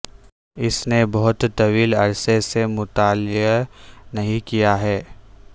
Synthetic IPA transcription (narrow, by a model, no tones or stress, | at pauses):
ɪsnebɐɦʊt̪t̪ɐwiːlɐɾsesemʊt̪aːlɪ | nɐɦĩkijaɦɛː